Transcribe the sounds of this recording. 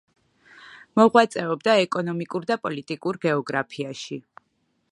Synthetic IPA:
mɔʁwat̪sʼɛɔbd̪aɛkʼɔnɔmikʼuɾd̪apʼɔlit̪ʼikʼuɾɡɛɔɡɾapʰiaʃi

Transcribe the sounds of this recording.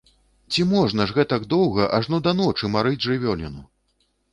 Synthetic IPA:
t͡sʲimɔʐnɐʐɣɛt̪ɐɡd̪ɔwɣɐʔaʐnɔd̪ɐnɔt͡ʂɨmaɾɨd͡zʲʐɨvʲɔlʲinu

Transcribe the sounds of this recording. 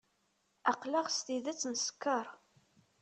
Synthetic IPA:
ɑqlɑʁst̪iðæt͡sːnskːɑɾˤ

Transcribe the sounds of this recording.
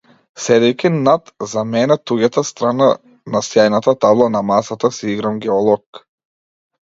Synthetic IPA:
sɛd̪ɛjkʲinat̪zamɛnɛt̪uɡat̪ast̪ɾana | nasjajnat̪at̪ablˠanamasat̪asiiɡɾamɡʲɛɔlˠɔk

